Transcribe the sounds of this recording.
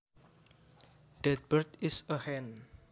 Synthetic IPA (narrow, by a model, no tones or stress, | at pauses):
d̥ɛt̪̚b̥ərt̪isəhɛ̃n